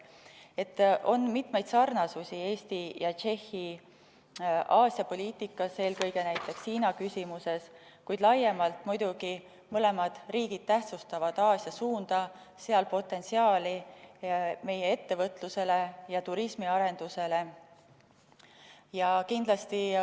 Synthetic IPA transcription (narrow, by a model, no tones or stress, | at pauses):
e̞t̪ːˑʔo̞nmit̪me̞jd̪sɑrnɑsusʲie̞ːst̪ijɑt͡ʃe̞hːi | ɑːsjɑpo̞lʲiːt̪ˑikːˑɑse̞ːlkɤ̞jɡ̥e̞næjt̪ːˑe̞kshiːnɑkysʲimuse̞s | kujd̪lɑjːemɑlt̪mujd̪̥uɡi | mɤle̞mɑd̪̥riːɡ̥id̪̥̚t̪æht̪sust̪ɑvɑd̪̥ɑːsjɑsuːnd̪̥ɑ | seɑlpo̞t̪ːˑe̞nsiɑːli | me̞jee̞t̪ːe̞vɤt̪ˑluse̞le̞jɑt̪uɾismiɑɾe̞nd̪̥use̞le̞ | jɑkind̪̥lɑst̪i